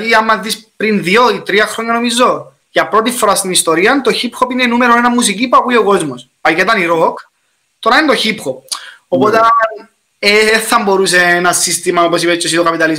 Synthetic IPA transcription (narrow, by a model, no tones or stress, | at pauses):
iɐmːɐzðispɾinðioit̪ɾiɐxɾo̞ɲːɐno̞mizːo̞ | ʝɐpɾo̞t̪̬ifːo̞ɾɐst̪inist̪o̞ɾiɐnt̪o̞çipxopinenumeɾonenɐmːusicipuɐkuio̞ko̞zmos | pɐket̪ɐniɾok | t̪o̞ɾɐinet̪oçipxop̚opot̪ɐ | eθɐmbo̞ɾuseenɐsist̪imɐoposipet͡ʃːesit̪okɐpit̪ɐliz